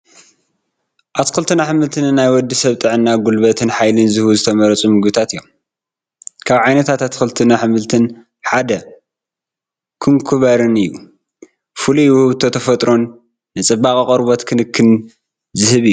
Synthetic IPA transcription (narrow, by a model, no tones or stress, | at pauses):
ʔat̪kɨlt̪ʰɨnaħɨmɨlt̪ʰɨnɨnːajwɔd̪ːisɐβt̪ʼɨʕɨnːaɡulβɐt̪ʰɨnħajlɨnzɨhβuzɨt̪ʰɐmɐɾɐt͡sʼumɨɡbɨt̪ʰat̪ɨjːom | kʰaβʕajnɐt̪ʰat̪at̪kɨlt̪ʰɨnaħɨmɨlt̪ʰɨn | ħad̪ɐ | kʰɨŋkʰuβɐɾɨnɨjːu | fɨluwhɨβt̪ʰo̞t̪ʰɐfɐt̪ʼɾo̞nː | ɨt͡sʼɐbakʼikʼɐɾbo̞t̪kʰɨnɨkʰːɨn | zɨhɨβɨjːu